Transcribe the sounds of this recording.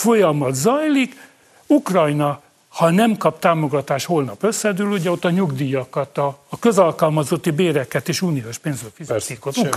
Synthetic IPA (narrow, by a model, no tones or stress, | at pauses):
fo̞jɒmɒt̪zɒjlik | ukrɒjnɒ | hɒnɛmkɒpt̪aːmo̞ɡɒt̪aːʃho̞lnɒpø̞sːɛd̪yːluɟɛo̞t̪ːɒɲuɡd̪iːjɒkɒt̪ɒːkø̞zɒlkɒlmɒzo̞t̪ːibeːɾɛkːɛt̪eːʃuːnioʃpeːnzrøːfizisikot̪uk